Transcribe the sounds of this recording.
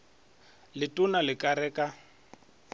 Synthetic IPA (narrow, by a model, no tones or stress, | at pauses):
lɪtʼʊnalɪkʼaɾɛːkʼa